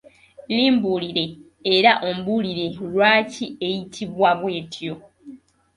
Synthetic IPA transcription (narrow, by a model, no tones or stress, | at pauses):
liːmbuliɾe̞ː | ɾaʔo̞mbuliɾe̞lwaːcie̞jitʰiβwaβwe̞ːtʰjo̞